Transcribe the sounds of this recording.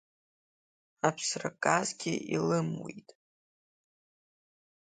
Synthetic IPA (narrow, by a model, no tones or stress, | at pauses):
apʰsrakʼazɡʲɪilɨmwḛjtʼ